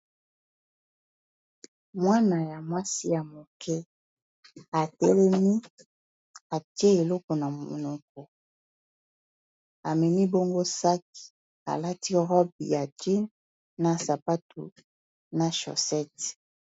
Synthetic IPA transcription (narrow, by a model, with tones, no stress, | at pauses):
mwa˦na˨ja˨mwa˦si˦ja˨mo˨kʰɛ˦ | a˨tɛ˦lɛ˦mi˦ | a˨tje˦e˨lɔ˦kɔ˨na˨mo˨nɔ˨k̚ɔ˨ | a˨mɛ˨mi˦bɔ˦ŋɡo˦sa˦k̚i̥˨ | a̰˨la˦ti˦ʁɔ˦b̚ḭ˨ja˨ti˦nː | a˨sa˨pa˦tu˨ | na˨ʃɔ̰˨sɛ˦t